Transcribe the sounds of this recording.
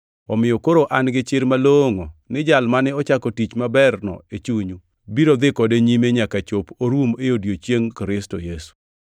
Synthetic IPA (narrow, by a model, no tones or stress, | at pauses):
ɔmɪjɔkoɾoʔanɡɪt͡ʃɪɾmaloŋonɪd͡ʒalmanɛɔt͡ʃakɔtit͡ʃmabɛrnɔ̰et͡ʃuɲu | biɾod̪ɪkɔdeɲimeɲakat͡ʃopoɾwumejodjot͡ʃjeŋkɾɪstojesu̥